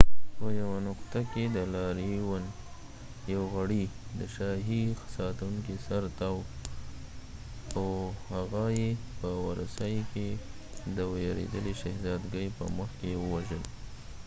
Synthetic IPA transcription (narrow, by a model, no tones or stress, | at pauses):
pəjawanʊqt̪aked̪əlɑɾiwan | jawɣaɽid̪əʃɑɦixsɑt̪awuŋkisaɾt̪ɑw | awhaɣajepəwɑɾasɑjke | d̪əwjɑɾḛd̪əliʃahzɑd̪ɡəjpə̰məxkewəwaʒəl